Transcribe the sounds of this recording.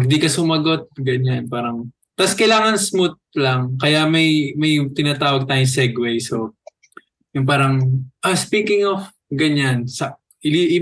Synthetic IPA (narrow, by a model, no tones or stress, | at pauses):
ɡd̪ikɐsʊmɐɡo̞t̪̚ɡɐɲanpaːɾɐŋ | t̪askɐjlaːŋɐnsmʊt̪̚lɐŋkɐjamɐjmɐjt̪ɪnaːt̪aːwɐɡ̚t̪aːjʊŋsɛɡwɛjso | jʊŋpaːɾɐŋʔɐspiːkɪŋof | ɡɐɲansɐ | ʔɪliʔi